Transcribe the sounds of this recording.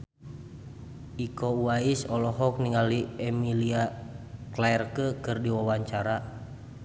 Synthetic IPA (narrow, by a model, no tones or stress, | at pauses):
ikɔuaisɔlɔɦɔk̚niŋaliɛmiliaklaɛrkəkɨrdiwawaɲt͡ʃaɾa